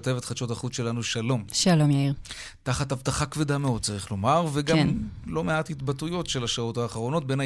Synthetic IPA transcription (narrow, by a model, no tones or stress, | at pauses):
tevet̪χat͡ʃo̞taχut͡sʃe̞lanuʃalo̞mʃalomjaiʁ | taχatavtaχakvedameot̚t͡saʁiχlo̞maʁveɡamnlo̞meathitbatujo̞tʃe̞laʃao̞thaːχaʁo̞no̞t̚be̞na